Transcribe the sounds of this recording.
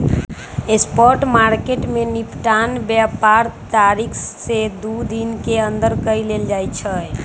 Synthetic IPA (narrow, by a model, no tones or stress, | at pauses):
espɔɾʈmaɾkeʈmenipʈanbjapaɾt̪aɾikʰsed̪ud̪inkeənd̪əɾkəjleld͡ʒajt͡ʃʰə